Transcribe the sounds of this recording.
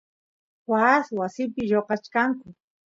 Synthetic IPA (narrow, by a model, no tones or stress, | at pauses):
waswasɪpɪʎoqɑt͡ʃkaŋkʊ